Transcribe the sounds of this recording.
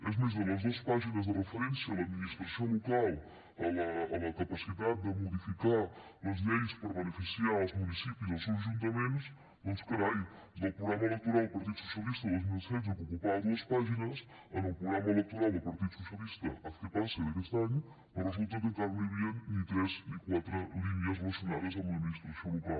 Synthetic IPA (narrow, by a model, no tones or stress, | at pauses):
ezmezðenɐzðuɐspaʒinɐzðərəfəɾẽnsjɐnɐaðminiʃt̪ɾɐsɐ̃w̃lukalˠ | ɐɐɐ̃ɐkɐpɐsiðaðd̪ɨmuðifikaɾɐzʎejspoɾβɐnefisijaɾɔzmunisipjuzɔsewʒũnt̪ɐmẽnt̪us | nõskɐɾaju | d̪ɐ̃pɾuɣɾamɐelek̚t̪uɾalˠd̪ʊupɐɾt̪iðusu̥sjɐlist̪ɐðojzmilˠsɛjz̬ukukupaɾuɐspaʒinɐs | ɛnũpɾuɣɾamɐelek̚t̪uɾalˠd̪upɐɾt̪iðususjɐlist̪ɐ̰ɐkepaɾsɐliɾest̪aɲu | ɐrezulˠt̪ɐðet̪aɾliβjɐt̪ɾezikwat̪ɾɐliβjɐznɐsjuna̰ɾɐzɐmɐminiʃt̪ɾɐsɐ̃w̃luka